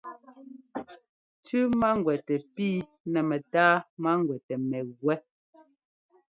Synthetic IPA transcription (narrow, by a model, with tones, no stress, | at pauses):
tʉ˦ma˦ŋ˨ɡwɛ˨tɛ˨piː˦ | nɛ˨mɛ˨taː˦ma˦ŋɡwɛ˨tɛ˨mɛ˨ɣwɛ˦